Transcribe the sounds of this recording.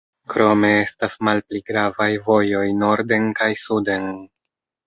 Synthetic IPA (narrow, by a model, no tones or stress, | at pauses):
kɾo̞me̞estasmalpliɡɾavajvo̞jo̞jno̞ɾde̞nkajsude̞n